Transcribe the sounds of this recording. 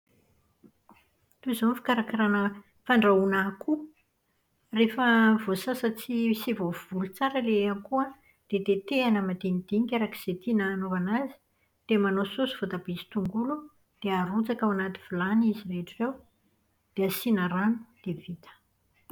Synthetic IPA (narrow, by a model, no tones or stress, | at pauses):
t̪uzonfi̥kaɾakaɾanə | faɳɖ͡ʐaunakʰu | refəvosasat͡siisivovulut͡saɾəleankuə | d̪̥et̪et̪eanəmad̪enid̪̥iɲikʲaɾaki̥z̥et̪inaːnovanazi̥ | d̪̥emanosusuvot̪abizi̥t̪uŋɡulu | d̪̥eaɾut͡sakawanat̪i̥v̥ilanizireʈ͡ʂirew | d̪̥easinaɾanu̥d̪̥evit̪ə̥